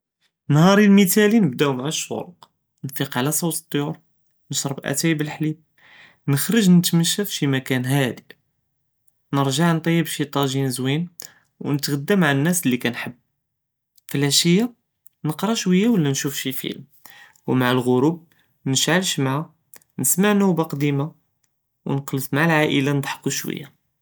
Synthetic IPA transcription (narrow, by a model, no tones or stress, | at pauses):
nhɑɾˤilmit̪ælinəbd̪æwmaʕəʃːṵɾˤq | nfiqʕlæsˤɑwt̪ət̪ˤːjuɾ | nəʃɾˤəbʔæ̰t̪æjəbəlħlib̚ | nəxɾəʒnət̪məʃːæfʃimækænɦæd̪i | nəɾʒaʕnt̪ˤɑjːəbʃit̪ˤɑʒinzwin | wnət̪ɣəd̪ːəmʕnːæslːikænħəbː | fəlːæʃəjːa | nəqɾˤɑʃwəjːawəlːænʃufʃifḭlm | wmaʕəlɣʊɾub̚ | nəʃʕəlʃmaʕa | nəsmaʕnubaqd̪ima | wnqlət̪maʕlʕaʔəlanəd̪ˤħə̥qːuʃwə̰jːa